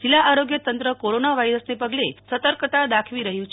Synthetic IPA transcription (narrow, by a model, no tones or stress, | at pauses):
d͡ʒilːaʔaɾoɡjət̪ənt̪ɾəkoɾonaʋaiɾəsnepəɡlesət̪əɾkət̪ad̪akʰʋiɾəɦjũt͡ʃʰ